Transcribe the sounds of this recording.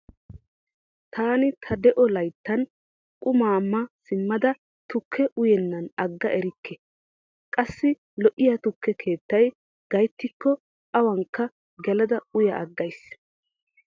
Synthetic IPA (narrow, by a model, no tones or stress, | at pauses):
t̪ʰaːnɪt̪ʰɐd̪ɛʔɔlɐjt̪ːɐn | kʼʊmaːmːɐsɪmːɐd̪ɐ | t̪ʊkʰːɛʔʊjɛnːɐnɐɡːɐʔɛɾɪkʰːɛ | kʼɐsːɪ | lɔʔɪjat̪ʊkːɛkʰe̞ːt̪ːɐj | ɡ̥ɐjt̪ːɪkːɔ | ʔɐwɐŋkːɐ | ɡɛlɐd̪ɐʊjɐʔɐɡːɐjs